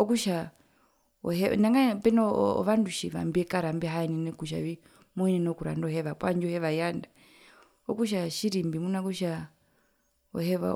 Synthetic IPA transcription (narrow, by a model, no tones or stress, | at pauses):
ɔkuʃa | ɔɦɛnaŋɡapɛnɔɔ̰ʋanduʃiʋa̰mbiɛkaɾambiɦaɛninɛkuʃ̬a̰βi | mɔinɛnɔkuɾa̰ndɔɦɛʋakwaɲd͡ʒɔhɛʋajanda | ɔkuʃ̬aʃiɾimbimunakuʃa | ɔ̰hɛʋa̰